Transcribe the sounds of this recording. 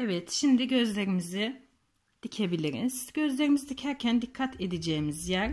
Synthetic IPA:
evɛt̪ʃimd̪iɟø̞zlʲe̞ɾimizi | d̪̥icʰe̞bilʲiɾḭnzɟø̞zlʲe̞ɾimizid̪icʰæɾcʰænd̪ikʰːat̪ʰe̞d̪id͡ʒeːmizjæɾ

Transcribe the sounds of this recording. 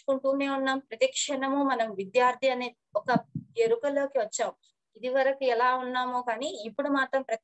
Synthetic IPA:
kuɳʈuːme̞ːmunːaːmpɾɐt̪ɐkʂɐnɐmumɐnɐmʋid̪jaːɾt̪ʰiɐneː | ɔkɐeɾukɐlo̞ːkiʋɐt͡ʃːaːmu | id̪iʋɐɾɐkuɛlaːunːaːmoːkaːniːpːuɽumaːt̪ɾɐmpɾɐ

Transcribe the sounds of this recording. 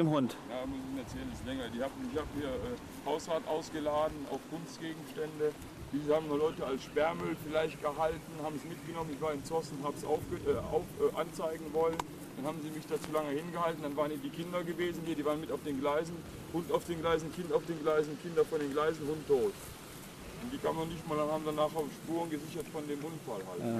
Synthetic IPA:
emɦʊntjaːmʊsɪçmɛɐt͡sɛːlənɪslɛŋɐdiːhaːbm̩ɪçhaːbəmiːɐʔɛː | haʊsʁaːɐtʔa̰ʊsɡ̥əlaːdn̩ʔa̰ʊfɡ̥ʊnstɡ̥eːɡŋ̩ʃtɛndə | d̥iːzəhaːbmnʊɐlɔʏtəalsʃpɛɐmʏlfɪlaɪçt̚ɡ̥əɦaltn̩haːbmsmɪt̚ɡ̥ənɔmənɪçv̥aːɐɪnt͡sɔsʊnthaːbəsʔa̰ʊfɡ̥əʔɛa̰ʊfʔʔa̰nt͡saɪɡŋ̩vɔlən | d̥anhaːbm̩ziːmɪçd̥aːt͡suːlaŋəhɪnɡəhaltn̩d̥anvaːʁniːdiːkʰɪndɐɡəveːzn̩hiːɐdiːvaːʁənmɪtaʊfd̥eːnɡlaɪzn̩ | hʊntaʊfd̥eːnɡlaɪzn̩kʰɪntaʊfd̥eːnɡlaɪzn̩kʰɪndɐfɔndeːnɡlaɪzn̩hʊntʰːoːt | ʔʊntd̥iːkʰa̰ːmənɔχnɪçtmaːldanhaːbmdanaːχaʊfʃpuːʁənɡəzɪçɐtfɔndeːmʔʊnfalha̰l

